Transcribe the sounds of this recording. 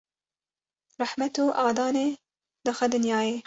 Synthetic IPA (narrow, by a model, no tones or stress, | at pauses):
ɾɑħmat̪oʔɑːd̪ɑːneː | d̪ɨxʷad̪ɨnjɑːjeː